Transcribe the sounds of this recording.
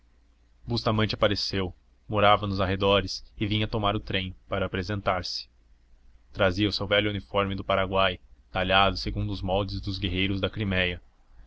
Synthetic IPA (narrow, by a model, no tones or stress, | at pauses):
bust̪amɐ̃nt͡ʃɪapaɾesew | moɾavɐnʊzaɦed̪ɔɾɪsɪvĩɲɐt̪omaɾʊt̪ɾẽj̃paɾɐːpɾezẽnt̪aɾsɪ̥ | t̪ɾaziɐʊsewvɛʎʊunifɔɾmɪd̪ʊpaɾaɡwajt̪aʎad̪ʊseɡũnd̪ʊzmɔwd͡ʒɪzd̪ʊzɡeɦejɾʊzd̪ɐkɾimɛjɐ